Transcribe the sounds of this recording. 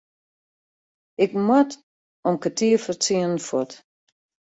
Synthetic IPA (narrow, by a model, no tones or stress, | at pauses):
ɪk̚mwat | ɔmkatʰiəfərt͡siənn̩fɔt